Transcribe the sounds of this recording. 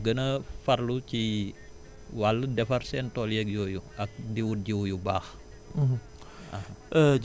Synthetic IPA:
ɡənəfɐrluci | walːədɛfɐrsɛːntɔːljɛk̚jɔːjuɐk̚ndiwut̚ɟiwjubaːx̩ | ahaə

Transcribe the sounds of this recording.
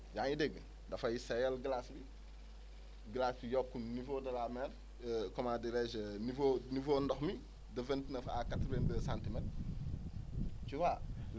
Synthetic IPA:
jaŋideɡ | dɐfɐjisejelɡəlasbi | ɡilasbijokːunnivodɐlameɾ | komadiɾed͡ʒnivonivondɔxmi | dɐventnɐfakatɾendəsantimet | t͡ʃuwa

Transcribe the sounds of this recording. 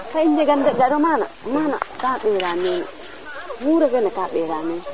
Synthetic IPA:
kaind͡ʒɛɡandɛɡaɾɔmana̰mana̰kaɓɛɾamen̰ | wuɾɛfɛnakaɓɛɾame

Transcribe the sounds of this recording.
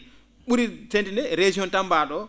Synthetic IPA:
ɓuɾitentinɛɾed͡ʒiɔntambaɗɔ

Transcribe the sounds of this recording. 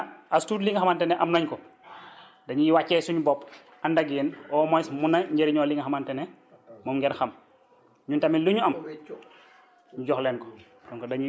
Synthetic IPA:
astudliŋɡaxamantɛnɛʔamnɐɲkɔ | dɐɲujiwacːɛsuɲubɔp | andaɡjɛnɔːmɔjsmunːaɲɟeɾiɲɔːliŋɡaxamantɛnɛ | mɔmŋɡɛɾxɐm | ɲuntamiluɲuam | ɲuɟɔxlɛnkɔ̥ | dɔŋkɔdɐɲu

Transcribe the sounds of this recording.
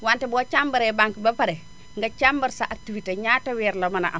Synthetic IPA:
wantɛbɔt͡ʃambɐɾɛbaŋkibɐpɐɾɛ | ŋɡat͡ʃambɐɾsaʔatːuwiteɲatawɛːɾlomɐnaʔam

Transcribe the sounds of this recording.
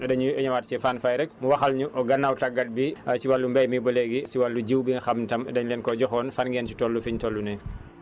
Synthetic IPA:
ɛdɐɲuɛɲɐwaːt̚t͡ʃɛfaːnfajɾɛk̚muwɐxɐlɲuʔɔɡɐnːawtaɡːat̚bisiwalːumbɐjmibɔlɛɡisiwalːuɟiwbiŋxɐmntɐmɛdɛɲlɛnkɔɟɔxɔːnfanɡɛːnt͡ʃi̥tɔlːufiɲtɔlːunɛ

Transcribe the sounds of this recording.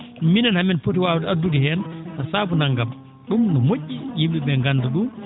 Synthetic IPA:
minanhaminpotiwaːwudadːudihɛnnɔsaːbunaŋɡam | ɗumnɔmocːijimbiɓɛŋɡanduɗu

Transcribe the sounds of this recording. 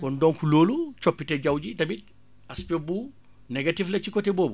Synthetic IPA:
kɔndɔːŋkuloːlut͡ʃopːitɛɟawɟidɐbi | aspobuː | neɡatiflɐt͡ʃikɔteboːbu

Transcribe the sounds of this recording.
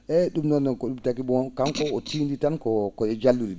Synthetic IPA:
ɛɗumnɔnːɛkɔɗumtakibɔnkaŋkɔɔtiːnditankɔkɔɛd͡ʒalːuɾi

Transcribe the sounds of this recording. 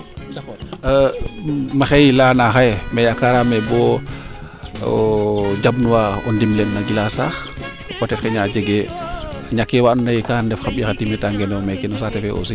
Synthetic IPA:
dɐ | maxɛjilaːnaxajɛmɛjakaɾamɛbɔ | ɟabnuwaɔndimlɛnːaɡilasaːx | kɔtɛtkɛɲaːd͡ʒəɡɛ | ɲakːɛwaʔnnɐjikandɛfxabixatimɛtaŋɡɛnɔmɛkɛnɔsaːtɛfɛʔɔ̰si

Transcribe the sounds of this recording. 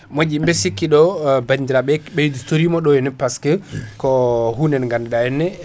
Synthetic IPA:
mod͡ʒimbɛsikːiɗɔbandiɾabɛbɛjdutoɾimɔɗɔjɛnɛpaskɛkɔhunɛnŋɡandɛɗajɛnːɛ

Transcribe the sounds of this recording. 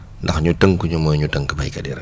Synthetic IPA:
ndɐxɲutəŋkuɲumɔːjɲutəŋkɐbɐjkɐdiɾɐ̰

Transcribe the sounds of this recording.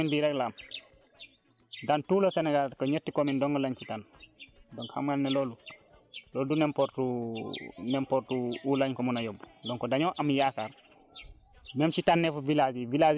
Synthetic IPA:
indiɾɛklam | dantuːlɔsɛnɛɡalkɔɲetːikɔmindɔŋkɔlaɲt͡ʃitandɔŋkhamɡalnɛlɔːlu | lɔːldunɛmpɔɾtu | nɛmpɔɾtuulaɲkɔmunajɔbdɔŋkɔdaɲɔːʔɐmjaːkaːr | mɛmt͡ʃitanːɛfuvilazivilaz

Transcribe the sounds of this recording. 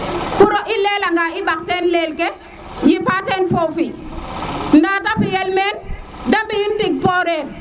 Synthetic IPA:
fuɾɔʔilelaŋɡaiɓak̚tɛnlelkɛ | jipatenfofi | ndatafijɛlmɛn | dambijintik̚pɔɾel

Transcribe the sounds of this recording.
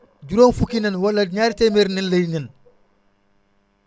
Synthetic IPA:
ɟuɾonfukːinɐnwɐlːɐɲaːɾtemeɾninlɐjnɛn

